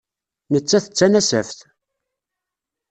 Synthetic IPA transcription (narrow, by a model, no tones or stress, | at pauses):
nət͡sːæθə̥t͡sːænæsæfθ